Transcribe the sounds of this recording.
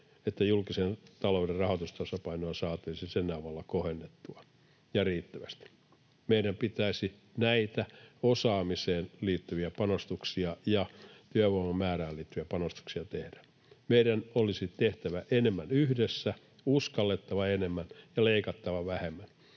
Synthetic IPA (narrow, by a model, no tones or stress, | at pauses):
et̪ːæjulkisent̪ɑlouderrɑhot̪ust̪ɑsɑpɑinoɑnsɑːt̪yisisenːæɑʋɑlːɑkohenːet̪ːuɑ | jɑriːt̪ːæʋæst̪i̥ | meiɾæmpit̪æisi | næit̪æosɑːmiseːnliːt̪ːyʋiæpɑnost̪uksiɑjɑt̪yæʋoimɑmæːræːliːt̪ːyʋiæpɑnost̪u̥ksiɑt̪ehd̥æ̥ | meiɾænolisit̪eht̪æʋæʔenemːænyhdesːæ | uskɑlːet̪ːɑʋɑenemːænjɑleikɑt̪ːɑʋɑʋæhemːæn